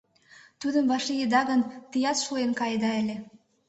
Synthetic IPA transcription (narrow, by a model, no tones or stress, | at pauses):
t̪ud̪əmvɑʃijəd̪ɑɣənt̪ijɑt̪ʃuenkɑjd̪ɑə̆lʲe